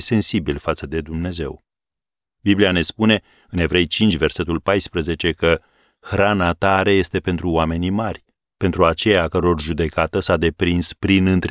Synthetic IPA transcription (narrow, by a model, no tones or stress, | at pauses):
se̞nsibilfat̪səd̪e̞d̪umne̞ze̞w | bibliane̞spune̞ | ɨne̞vɾe̞jt͡ʃint͡ʃʲve̞rse̞t̪ulpajspɾəze̞t͡ʃe̞kə | xɾanat̪aɾe̞je̞st̪e̞pe̞nt̪ɾuoame̞nimarʲ | pent̪ɾuat͡ʃe̞jakəɾo̞rʒud̪e̞kat̪əsad̪e̞pɾinspɾinɨnt̪ɾ